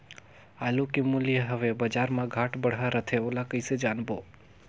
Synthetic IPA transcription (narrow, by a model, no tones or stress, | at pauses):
alukimulijəɦəʋebəd͡ʒaɾmãɡʱaʈbəɽ̤ɦaɾət̪ʰeolakəjsed͡ʒanbo